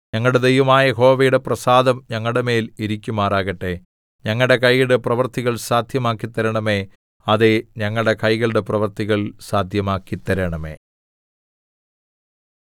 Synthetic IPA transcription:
ɲɐŋːɐɭɽed̪ejʋɐmaːjɐɦo̞ːʋɐjuɽe̞prɐsaːd̪ɐmɲɐŋːɐɭɽeme̞ːliɾikʲːumaːraːɣɐʈːe̞ | ɲɐŋːɐɭɽe̞kɐjiɽeprɐʋɐrt̪iɣɐɭsaːd̪ʱjɐmaːkːit̪ːɐɾɐɳɐme̞ | ɐðe̞ɲɐŋːɐɭɽe̞kɐjɣɐɭɽeprɐʋɐrt̪iɣɐɭsaːd̪ʱjɐmaːkːit̪ːɐɾɐɳɐme̞̰ː

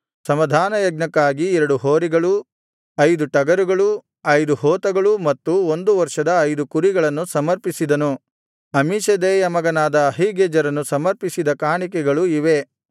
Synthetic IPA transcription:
sɐmɐd̪ʱaːnɐjɐɡnɐkːaːɡiɛɾɐɽuɦoːɾiɡɐɭu | ɐjd̪uʈɐɡɐɾuɡɐɭu | ɐjd̪uhoːt̪ɐɡɐɭumɐt̪ːuond̪uʋɐɾʂɐd̪ɐːjd̪ukuɾiɡɐɭɐnːusɐmɐɾpisid̪ɐnu | ɐmiːʃɐd̪eːjɐmɐɡɐnaːd̪ɐːɦiɡeːd͡ʒɐɾɐnːusɐmɐɾpisid̪ɐkaːɳik̬ɛɡɐɭuiʋe̞

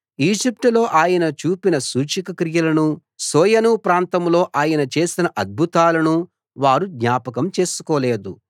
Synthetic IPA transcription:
iːd͡ʒip̚ʈulo̞ːʔaːjɐnɐt͡ʃuːpinɐsuːt͡ʃikɐkɾijɐlɐnu | sɔːjɐnupɾaːnt̪ɐmlo̞ːʔaːjɐnɐt͡ʃe̞ːsinɐʔɐd̪̚bʱut̪aːlɐnu | ʋaːɾud̪ɲaːpɐkɐmt͡ʃe̞ːsu̥koːle̞ːd̪u

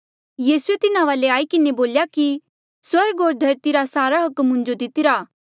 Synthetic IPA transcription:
jiːsuet̪ɪnaʋaːleaːikɪneboːljaki | swɐɾɡɦoːɾd̪ʱɐɾt̪iɾasaːɾaɦʊkmɦʊ̃ɲd͡ʒod̪ɪt̪ɪɾaː

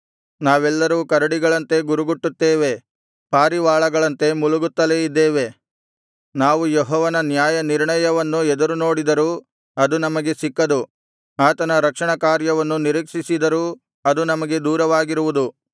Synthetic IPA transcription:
naːʋɛlːɐɾuːkɐɾɐɽiɡɐɭɐnt̪e̞ɡuɾuɡuʈːut̪ːeːʋe̞ | paːɾiʋaːɭɐɡɐɭɐnt̪e̞muluɡut̪ːɐle̞ːid̪ːeːʋe | naːʋujɔɦɔːʋɐnɐnjaːjɐniɾɳɐjɐʋɐnːuɛd̪ɐɾuno̞ːɽid̪ɐɾu | ɐd̪unɐmɐɡe̞sikːɐd̪u | aːt̪ɐnɐɾɐkʂɐɳɐkaːɾjɐʋɐnːuniɾiːkʂisid̪ɐɾu | ɐd̪unɐmɐɡe̞d̪uːɾɐʋaːɡiɾuʋud̪u

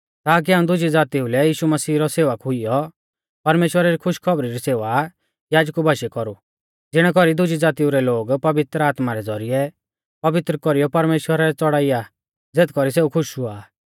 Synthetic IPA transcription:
t̪aːk̬iɦaːũd̪ʊd͡ʒid͡zaːt̪iulɛjiːʃumɐsiːɾɔseːʋəkɦʊijɔ | pɐɾmeːʃwəɾaɾikʰʊʃkʰɔbɾiɾiseːʋa | jaːd͡ʒkubʱaːʃɛkɔɾu | d͡zɪɽ̃ɛkɔɾid̪ʊd͡ʒid͡zaːt̪iuɾɛloːɡpɐʋɪt̪ɾəaːt̪maɾɛd͡zɔɾijɛ | pɐʋɪt̪ɾəkɔɾijɔpɐɾmeːʃwəɾaɾɛt͡sɔɽaːija | d͡zeːt̪ʰkɔɾiseːukʰʊʃuaː

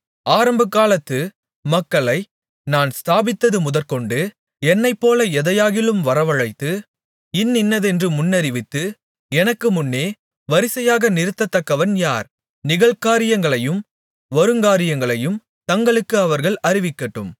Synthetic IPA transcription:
aːɾɐmbɐkːaːlɐt̪ːɯ | mɐkːɐɭɐɪ | naːnst̪aːbɪt̪ːɐðɯmʊðɐɾkɔɳɖɯ | ɛnːɐɪpːoːlɐɛðɐjaːɣɪlɯmʋɐɾɐʋɐɻɐɪt̪ːɯ | ɪnːɪnːɐðɛndrɯmʊnːɐɾɪʋɪt̪ːɯ | ɛnɐkːɯmʊnːeː | ʋɐɾɪsɐjaːɣɐnɪɾɯt̪ːɐt̪ːɐkːɐʋɐnjaːɾ | nɪɣɐɭkaːɾɪjɐŋɡɐɭɐjɯm | ʋɔɾɯŋɡaːɾɪjɐŋɡɐɭɐjɯm | t̪ɐŋɡɐɭɯkːɯɐʋɐɾɣɐɭʔɐɾɪʋɪkːɐʈːɯm

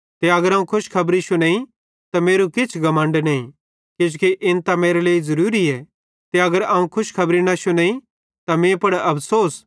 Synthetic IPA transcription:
t̪eɐɡəɾɐ̃ːũkʰʊʃkʰɐbɾiʃonẽːĩ | t̪ameːɾukɪt͡ʃʰɡɐmə̃ɳɖnɐĩ | kɪd͡ʒkiʔɪnt̪ɐmeːɾeleːizɐɾuːɾiɛ | t̪eɐɡəɾɐːũkʰʊʃkʰɐbɾiñɐʃʊnẽːĩ | t̪amẽːpɐɽɐpʰsoːs

